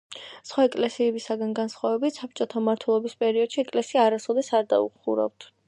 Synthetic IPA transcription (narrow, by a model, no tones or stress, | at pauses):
sχwaɛkʼlɛsiɛbisaɡanɡansχwavɛbit̪ʰsap̚t͡ʃʼɔt̪ʰamaɾt̪ʰwɛlˠɔbispʼɛɾiɔd̪̥ʃiɛkʼlɛsiaːɾasɔd̪ɛsaɾd̪a̰ṵχṵɾa̰ft̪ʰ